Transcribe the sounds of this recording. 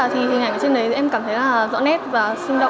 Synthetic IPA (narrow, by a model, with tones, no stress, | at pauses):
aː˨˩t̪ʰi˨˩hi˨˩ŋʔa˧˩jŋə˨˦t͡ɕe˧nɗə˨˦jʔɛ˧mkaː˧˩mt̪ʰə˨˦jlaː˨˩zɔ̰˧˥nɛ˦˥t̚vaː˨˩sɨ˧ŋɗə̰˧˨